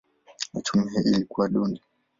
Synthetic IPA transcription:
at͡ʃumiɦɛʔilikuwaɗundi

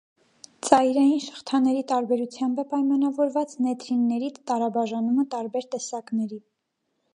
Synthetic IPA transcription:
t͡sɑjɾɑjinʃə̥χt̪ʰɑnɛɾit̪ɑɾbɛɾut͡sʰjɑmbəpɑjmɑnɑvɔɾvɑt͡snɛt̪ʰɾinːɛɾit̪ɑɾɑbɑʒɑnumət̪ɑɾbɛɾt̪ɛsɑknɛɾi

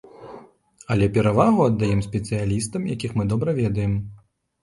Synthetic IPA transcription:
ɐlʲɛpʲɛɾavaɣuɐd̪ːajɛmsʲpʲɛt̪sɨjalʲist̪ɐmjakʲixmɨd̪ɔbɾɐvʲɛd̪ɐjɛm

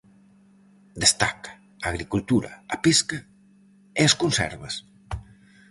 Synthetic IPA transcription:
d̪est̪a̰kɐ̥ː | ɣɾikult̪uɾɐ̰ːpeskɐ | eɐskonsɛ̰ɾβɐs

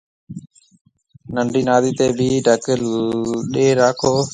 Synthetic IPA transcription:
nəɳɖʱiːnaːd̪iːt̪eːbʱiːɖʱəkɪlɗeːɾaːkʰoː

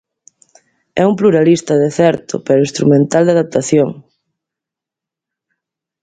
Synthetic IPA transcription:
ɛumpluɾalist̪ɐðeθɛɾt̪ʊ̰peɾʊĩnst̪ɾumẽnt̪ald̪aðap̚t̪aθjoŋ

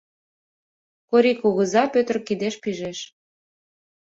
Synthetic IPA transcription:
koɾikuɣə̆zɑpøt̪rkid̪eʃpiʒeʃ

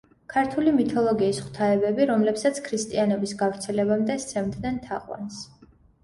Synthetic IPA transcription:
kʰaɾt̪ʰulimit̪ʰɔlˠɔɡiːsχwt̪ʰaɛbɛbiɾɔmlɛpsat̪sʰkʰɾist̪ʼianɔbisɡavɾt̪sʰɛlɛbamd̪ɛst̪sʰɛmd̪nɛnt̪ʰa̰qʼwa̰ns

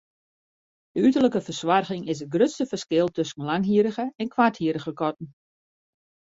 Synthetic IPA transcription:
dəytərləkəfərswarɣɪŋɪsət̚ɡrøtstəfərskɪlˠtøsn̩laŋɦiəɾəɣəɛnkʰwathiəɾəɣəkɔt̚n̩

